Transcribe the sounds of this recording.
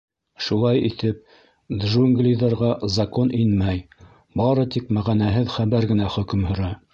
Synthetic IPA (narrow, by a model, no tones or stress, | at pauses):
ʃulˠɑjit̪ɘp̚ | d̪ʒuŋɡlʲijðɑɾʁɑzɑkoninmæj | bɑɾɤt̪ikmæʁænæɦɘðχæβæɾɡɘ̆næχɵ̆kɵ̆mhɵ̆ɾæ